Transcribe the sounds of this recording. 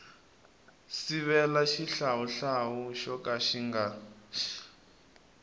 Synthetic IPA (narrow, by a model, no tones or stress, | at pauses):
siβɛlaʃiɬawuɬawuʃɔkʼaʃiŋɡaʃ